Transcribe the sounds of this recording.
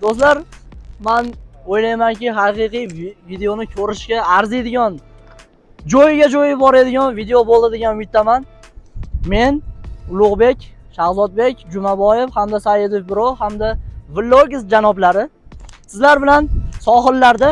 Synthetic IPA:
d̪̥ost̪laɾmanojlajmaŋkʲɪɦaqɨqɨjvid̪eonɪkʲʰɵɾɪʃkʲaːɾzed̪ɪɡʲɒn | d͡ʒɒjɪɡʲad͡ʒɒjɪbɒɾed̪ɪɡʲɒnvid̪eobolˠd̪ɪd̪eɡʲanʊjɪt̪ʰːaman | me̞nʊlˠʊʁbe̞kʲʃahzɒt̪̚be̞kʲd͡ʒʊmabɒjefhamd̪asajɪd̪ɪfbɪɾohamd̪avɪlˠːoɡʲɪsd͡ʒanɒblaɾɪsɪzlaɾbɪlansɒɦɨɾlaɾd̪a

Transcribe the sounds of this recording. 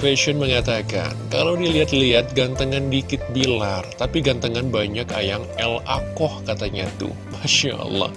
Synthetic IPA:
fɛʃɔnməŋat̪aka̰nkalawdiliɦat̪liɦat̪̚ɡant̪əŋandikɪt̪̚bilart̪apiɡant̪əŋanbaɲaka̰jaŋɛla̰kɔhkat̪aɲa̰t̪ṵ | maʃa̰ʔɑ̰lːɑ̰h

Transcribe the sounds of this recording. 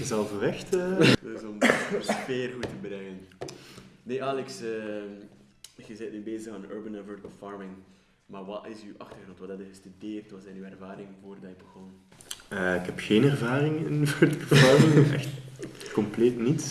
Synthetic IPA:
ɣəzɛlˠvəʋɛxtədəsɔmsfeːrɣutəbəɾɛŋən | neːʔaːlɛksə | ɣəzɛjt̚nibeːzəɣaːnø̰ːɹbənəvəɹtəlˠfɑɹmɪŋ | maːrʋɑɪsywʔɑxtərɣrɔntwɑdɑtɪɣəstydeːrtwɑzɛjnyːɛrvaːɾɪŋənvoːrdɑɪbəɣɔn | əːɪkɦɛpxeːnɛrvaːɾɪŋɪnvœrtkəlfɑrmɪŋɛ̰xtkɔmpleːtnit

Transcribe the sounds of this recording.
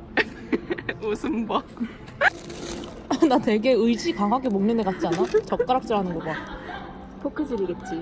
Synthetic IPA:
osʰɯmba | natwe̞ɡe̞ɯid͡ʑikaŋɦaɡemoŋnɯndekat̚t͡ɕ͈ianat͡ɕʌk̚k͈aɾak̚t͡ɕ͈ɯɾɦanɯnɡʌɡa | pʰokʰɯd͡ʑɯɾiɡet̚t͡ɕ͈i

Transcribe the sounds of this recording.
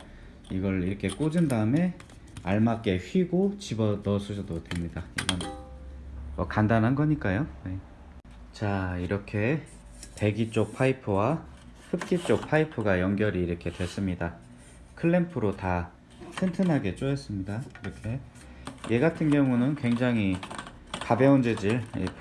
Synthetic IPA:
iɡʌɭiɾʌkʰe̞k͈od͡ʑindaɯme̞ | aɭmak͈e̞ɸɥiɡot͡ɕibʌnʌsʰud͡ʑʰʌdotwemɲidaḭɡan | ʌkandanɦanɡʌɲik͈ajone | t͡ɕaiɾʌkʰe̞ | te̞ɡit͡ɕ͈ok̚pʰaipʰɯwa | hɯp̚k͈it͡ɕ͈ok̚pʰaipʰɯɡajʌŋɡjʌɾiːɾʌkʰe̞dwe̞s͈ɯmɲida | kʰɯɭːempʰɯɾota | sʰɯntʰɯnɦaɡe̞t͡ɕ͈ojes͈ɯmɲidakiɾʌkʰe̞ | jʔe̞ɡatʰɯnɡjʌŋunɯnkwe̞ŋd͡ʑaŋi | kabeund͡ʑed͡ʑiɭḭ

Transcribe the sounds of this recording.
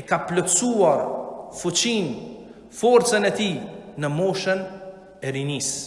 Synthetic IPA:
ɛkaplɔt̪suaɾfut͡ɕin | fɔɾt͡sənɛt̪inəmɔʃən | ɛɾinis

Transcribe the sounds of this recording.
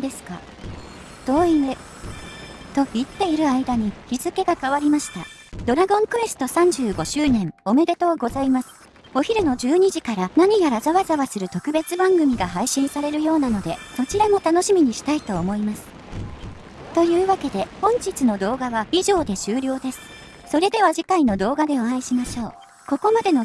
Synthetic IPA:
d̪e̞sɨ̥ka | d̪̥o̞ːinɯ | t̪o̞çit̪ːe̞iɾɯ̟aid̪aɲ̟içizɨke̞ɡakaβaɾʲimaɕi̥t̪a̰ | d̪̥o̞ɾaɡõ̞ŋkɯ̟e̞sɨ̥t̪o̞sãɲ̟d͡ʑɨːɡo̞ɕɨːnẽ̞ŋ̃o̞me̞d̪e̞t̪o̞ːɡo̞zaimasɨ̥ | o̞çʲiɾɯno̞d͡ʑɨːɲ̟iʑikaɾanaɲ̟ijaɾazaβazaβasɨɾɯ̟t̪o̞kɯ̟be̞t͡sɨbãŋɡɯ̟mʲiɡaɦaiɕĩɰ̃saɾe̞ɾɯ̟jo̞ːnano̞d̪e̞so̞t͡ɕiɾamo̞t̪ano̞ɕimʲiɲ̟iɕi̥t̪ait̪o̞ːmo̞imasɨ̥ | t̪o̞jɯ̟ːβake̞d̪e̞hõ̞ɲ̟d͡ʑit͡sɨno̞d̪o̞ːɡaβaiʑo̞ːd̪e̞ɕɨːɾʲo̞ːd̪e̞sɨ̥ | so̞ɾe̞d̪e̞βaʑikaino̞d̪o̞ːɡad̪e̞oãiɕimaɕo̞ː | ko̞ko̞mad̪e̞no̞

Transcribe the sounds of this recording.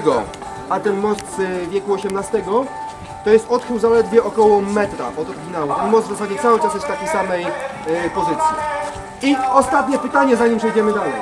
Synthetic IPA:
ɡɔ | at̪ɛnmɔst̪zvʲjɛkuɔɕɛmnast̪ɛɡɔ | t̪ɔjɛst̪ɔt̪xɘwzalɛd̪vʲjɛʔɔkɔwɔmɛt̪ɾa̰ɔt̪ɔɾɡʲinawut̪ɛnmɔsd̪vzasad͡ʑɛt̪sawɘt͡ʂasjɛst̪akʲejsamɛjpɔzɘt̪sʲjḭ | iɔst̪at̪ɲɛpɘt̪aɲɛzaɲimpʂɛjd͡ʑɛmɘd̪alɛj

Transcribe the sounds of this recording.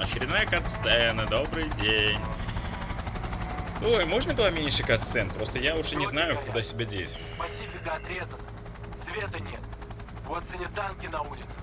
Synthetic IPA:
ɐɕɪɾʲɪd̪najəkɐt̪st̪sɛnəd̪o̞bɾɨjdʲenʲ | ojmo̞ʐnəbɨlˠamʲenʲʂɨkɐt̪ssɛnpɾo̞st̪əjaʊʐɛnʲɪznajʊkʊd̪asʲɪbʲadʲesʲ | pɐsʲifʲɪkəɐt̪ɾʲezənə | svʲet̪ənʲet̪̚ | vot̪sɨnʲɪt̪ːankʲɪnɐulʲɪt̪sɨ̥

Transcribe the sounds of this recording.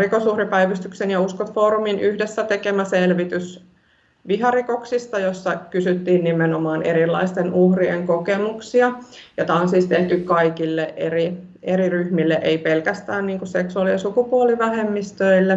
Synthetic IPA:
rikosuhripæiʋyst̪yksenjɑuskot̪foːɾuminʔyhdesːæt̪ekemæselʋit̪ys | ʋiɦɑrikoksist̪ɑjosːɑkysyt̪ːiːnnimenomɑːneɾilːɑ̰ist̪enuhrieŋkokemuksiɑjɑt̪ɑnsːist̪eht̪ykkɑikilːeʔeri | eɾiryhmilːeʔeipelkæst̪æːnniːŋkusseksuɑːliɑsukupuoliʋæhemːist̪øilːe

